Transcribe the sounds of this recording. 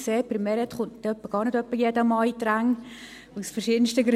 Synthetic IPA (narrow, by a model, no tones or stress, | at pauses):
seːpɾimɛɾɛt̪χʊntdœpːəɡ̥ɑːɾnədœpːəjɛdəmɑːitɾæŋ | usfəɾʃidən̩stəɡɾ